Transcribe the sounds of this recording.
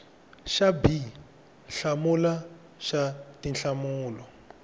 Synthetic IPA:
ʃabi | ɬamula | ʃatinɬamuːlɔ

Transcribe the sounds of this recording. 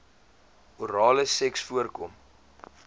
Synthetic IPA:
uɾɑːləsɛksfuərkɔm

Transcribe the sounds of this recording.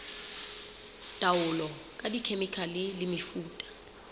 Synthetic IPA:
d̥ʼʱawʊlɔkʼadikʰemikʰalɪlɪmifuːtʼḁ

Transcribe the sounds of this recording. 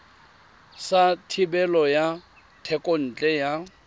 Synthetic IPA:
satʰibɛlɔja | tʰɛkʼon̩ːt͡ɬʼɛja

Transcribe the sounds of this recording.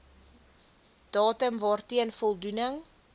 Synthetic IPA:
d̥ɑːtəmvɑːrtiənfɔlˠdunəŋ

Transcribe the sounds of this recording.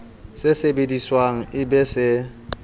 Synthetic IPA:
sɪsebediswaŋ̩ɪbɛsɪ

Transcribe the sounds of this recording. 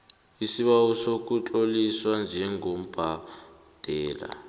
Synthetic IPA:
isiβausokut͡ɬʼoliswand͡ʒʱɛŋɡom̩b̥ʱa | d̥ʱɛːla̰

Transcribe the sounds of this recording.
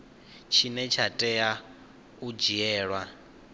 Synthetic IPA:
t͡ʃʰinɛt͡ʃʰatʼɛa | ud͡ʒiɛːɺwa

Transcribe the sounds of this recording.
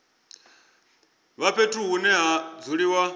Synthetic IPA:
βapʰetʰuɦunɛɦad͡zuɺiwa

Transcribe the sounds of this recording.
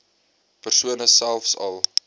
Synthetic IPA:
pərsuənəsælˠfsɐ̰lˠ

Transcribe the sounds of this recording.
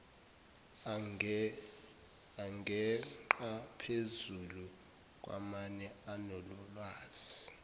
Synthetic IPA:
aŋɡʱɛǃapʰezulu | k̬ʼwa̰manɛanɔlɔlwaːz̥i

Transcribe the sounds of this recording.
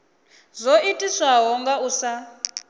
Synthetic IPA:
zoitʼiswaɦɔŋɡausa

